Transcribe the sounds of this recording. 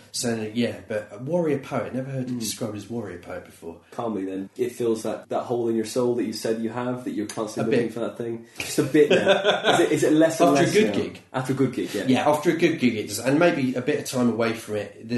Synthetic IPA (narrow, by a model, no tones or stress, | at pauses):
sɛɪɪ̃jæb̥ʌʔ̚wɔɹiəpʰəʊɪʔnɛvəhɜːd̚tʰədɪskɹ̥aɪbəzwɒɹiəpʰəʊʔ̚b̥ɪfɔːkʰɑmiðə̃nɪtfilˠzðət̚ðə̰ʔhoʊlˠɪ̃njə˞soʊlˠðət͡ʃɨ̥sɛdjəəvðɨt͡ʃə˞kʰɑ̃nsɪəɪɪ̃ŋfəðət̪̚θɪ̃ŋd͡ʒ̥d͡ʒ̥ʌstəbɪʔaɪzɪɪzɪʔˡlɛsfəɹəɡʊd̚ɡɪɡ̥ʔɑftə˞əɡʊd̚ɡɪɡjɛjæʔɑˑftəɹəɡʊd̚ɡɪɡɪʔ̚d̥ʌzɪə̃nmeɪbiəbɪɾəv̥tʰãɪ̃məweɪfɹə̃mɪʔ | ðə